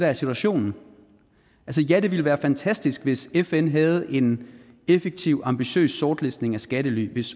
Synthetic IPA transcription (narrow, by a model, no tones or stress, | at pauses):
dææsit͡sʰuæɕo̝̰ːnn̩ | ʔælsəjæd̥e̝ʋiləʋæːɐfænt͡sʰæsd̥isɡ̥ʋe̝sefenɦæð̞̩ˠe̝n | efeɡ̥̚t͡sʰiʊɑ̈mb̥iɕø̰ːsːɒːd̥lesne̝ŋæsɡ̥æɾəly̰ʋe̝s